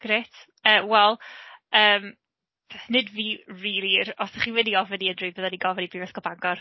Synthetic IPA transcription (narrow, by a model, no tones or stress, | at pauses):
ɡ̥ɾetʰ | əːwɛlˠəːm | pʰɛθnɨdviːriːlˠiɾɔsaχiwɛdiɔvəniəndrɪbəðadiɡɔvənibivɛskɔlˠbaŋɡɔr